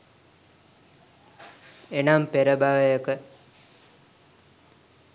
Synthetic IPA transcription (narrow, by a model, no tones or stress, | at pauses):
enampeɾəbaʋəjəkə